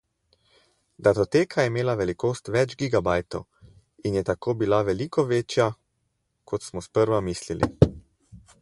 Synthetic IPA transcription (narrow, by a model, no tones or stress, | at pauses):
d̪at̪ɔt̪eːkʰajɛmeːlaʋɛlikoːst̪ʋɛd͡ʒɡiɡabajt̪ɔw | injɛt̪akoːbilaʋɛlikɔʋeːt͡ʃja | kʰɔt̪smɔspəɾʋamislilḭ